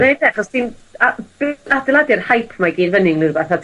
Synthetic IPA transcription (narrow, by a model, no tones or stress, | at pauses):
nedaχɔstinab̥adɪlˠadɪrhajpʰmaɡiːnvənɪŋnɨrbaθad